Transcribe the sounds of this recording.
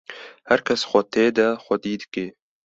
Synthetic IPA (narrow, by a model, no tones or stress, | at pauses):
hɛɾkʰɛsxʷɐt̪ʰeːd̪ɐxʷɐd̪iːd̪ɨ̥keː